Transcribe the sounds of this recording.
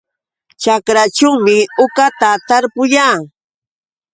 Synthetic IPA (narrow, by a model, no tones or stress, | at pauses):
t͡ʃakɾat͡ʃʊwmɪʊkat̪at̪aɾpʊʎaː